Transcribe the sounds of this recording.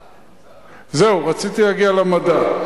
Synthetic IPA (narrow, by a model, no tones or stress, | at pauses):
zeuʁat͡sit̪ilaɡialamad̪a